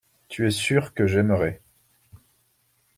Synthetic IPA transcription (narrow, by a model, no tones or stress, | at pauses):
t̪yɛsyʁkəʒɛməʁɛ